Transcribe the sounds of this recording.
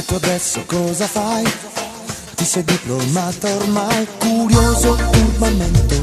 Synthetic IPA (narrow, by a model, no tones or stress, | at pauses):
kːoad̪ɛsːokɔzafaj | t̪isɛd̪iplomat̪aormajkuɾjoːzourbament̪e